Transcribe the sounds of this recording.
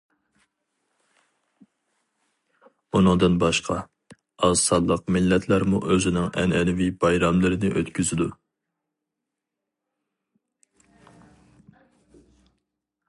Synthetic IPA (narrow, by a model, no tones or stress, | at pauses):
unɨŋd̪ɨnbɑʃqʰɑ | ɑzsɑlˠːəqmɪlːɛt̪ʰlæɾmuʔøzɪnɪŋɛ̰nɛnɪvibɑjɾɑmlˠɨɾɨnɪʔøt̪kʲʰyzɪd̪u